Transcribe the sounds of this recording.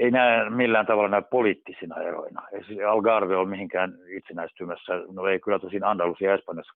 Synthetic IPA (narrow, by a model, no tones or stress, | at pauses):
einæːmilːæːnt̪ɑʋɑlːɑnæyppoliːt̪ːisinɑ̰ḛro̰inɑ̰eisiɑlɡɑrʋeolmihiŋkæːnit̪senæist̪yːmæsːænoeikylːæt̪usinɑnd̪ɑlːusiɑespɑnjɑsːɑ̥